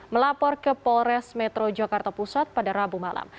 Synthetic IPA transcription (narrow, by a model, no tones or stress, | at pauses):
məlapɔrkəpɔɾɛsmɛt̪ɾod͡ʒakart̪apusat̪̚padaɾabumala̰m